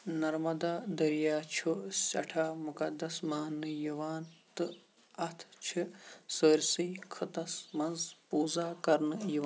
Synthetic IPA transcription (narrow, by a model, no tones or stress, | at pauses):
nɐɾmɐd̪aːd̪ɐɾijaːt͡ʃʰusʲɐʈʰaːmukɐd̪ːɐsmaːnːɨjiʋaːnt̪ɨ | ɐt̪ʰt͡ʃʰisəːɾʲsijkʰɨt̪ɐsmɐnzpuːzaːkɐɾnɨjiʋ